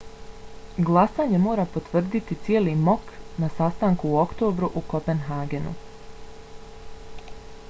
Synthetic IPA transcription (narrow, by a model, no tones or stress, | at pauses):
ɡlˠasaːɲe̞mo̞ːɾapo̞t̪ʋr̩d̪it̪it̪sjeːlimo̞knasast̪aːŋkuːokt̪o̞ːbɾuʔuko̞pe̞nɦaːɡe̞nṵ